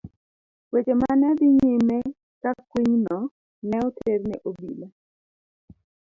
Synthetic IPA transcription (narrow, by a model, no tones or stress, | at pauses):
wed͡ʒemanɛd̪ɪɲɪme | kakwiɲnɔ | nɛɔtʰeɾnɛ̰ʔobile